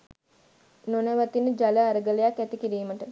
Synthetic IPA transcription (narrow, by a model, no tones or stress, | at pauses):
nonəʋat̪inəd͡ʒaləaɾəɡələjakːæt̪ikiɾiːməʈə